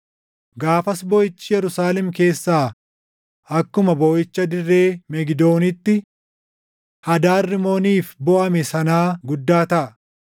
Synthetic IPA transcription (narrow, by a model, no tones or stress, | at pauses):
ɡaːfɐsbɔjɪt͡ʃːɪjɛɾʊsaːlɛmke̞ːsːaː | ɐkːʊmɐbɔːjɪt͡ʃːɐd̪ɪrːeːmɛɡɪd̪o̞ːnɪt̪ːɪ | hɐd̪aːrːɪmo̞ːniːfbɔʔɐmɛsɐnaːɡʊd̪ːaːt̪ɐʔɐ